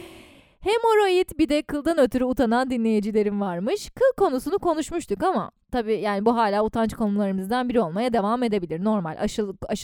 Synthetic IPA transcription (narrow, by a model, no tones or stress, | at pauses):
hɛmo̞ɾo̞jit̪bid̪ɛkʰɯlˠd̪anø̞t̪ʰyɾyut̪ʰanand̪inlʲe̞jid͡ʒilʲe̞ɾimvaɾmɯʃkʰɯlˠkʰo̞nusunukʰo̞nuʃmuʃt̪ʰukama̰t̪ʰabiːjaːnibuɦaːlʲaːut̪ʰant͡ʃkʰo̞nulˠaɾɯmɯzd̪anbiɾio̞lˠmajad̪e̞vame̞d̪e̞bilʲiɾno̞ɾma̰lʲa̰ʃɯaʃ